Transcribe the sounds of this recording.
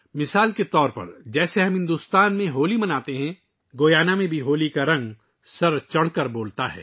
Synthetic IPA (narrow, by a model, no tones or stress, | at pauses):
mɪsaːlket̪ɔːɾpɐ̰ɾd͡ʒɛːseɦɐ̃mɦɪ̃nd̪uːst̪aːnmẽɦoːlimɐnaːt̪eɦɛ̃ | ɡoːjaːnamẽbʱiɦoːlikaɾɐ̃ŋɡ | sɐɾt͡ʃɐɽ̤kəɾboːlt̪aɦɛ̰ː